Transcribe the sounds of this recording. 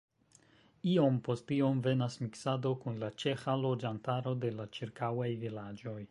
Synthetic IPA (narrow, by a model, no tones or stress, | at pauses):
io̞mpo̞stio̞mve̞nasmiksado̞kunlat͡ʃe̞xalo̞d͡ʒantaɾo̞de̞lat͡ʃiɾkawajvilad͡ʒo̞j